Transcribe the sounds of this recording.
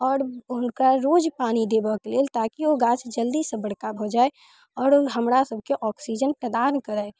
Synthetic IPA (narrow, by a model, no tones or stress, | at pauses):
ɔːɾʊnkaɾoːd͡ʒpaːnid̪eːbakelelt̪aːkioɡaːt͡ʃd͡ʒəld̪isebəɽkabʱod͡ʒaːe | ɔːɾɦəmɾasəb̚ʱkeʔɔːksid͡ʒənʈəd̪aːnkəɾae